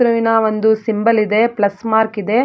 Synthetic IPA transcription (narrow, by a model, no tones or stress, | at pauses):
ɾɐʋinɐʋond̪usimbɐlid̪e̞plɐsmaːɾkid̪e̞